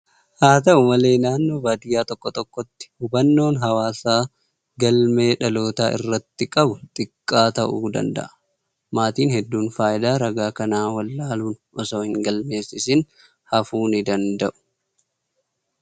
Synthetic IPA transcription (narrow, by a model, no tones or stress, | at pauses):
haːt̪ɐʊmɐle̞ːnaːnːo̞ːbaːd̪ɪjaːt̪ɔkːɔt̪ɔkːɔt̪ːɪ̥hʊbɐnːo̞ːnɦɐwaːsaː | ɡɐlme̞ːᶑɐlo̞ːt̪aːʔɪ̰rːɐt̪ːɪkʼɐbʊt̪ʼɪkʼːaːt̪ɐʔuːd̪ɐ̰nd̪ɐ̰ʔɐ̥ | maːt̪iːnhɛd̪ːuːnfaːʔɪd̪aːɾɐɡaːkɐnaːwɐlːaːluːnʔɔsoːhɪŋɡɐlme̞ːsɪsɪn | hɐfuːnɪd̪ɐnd̪ɐʔʊ̥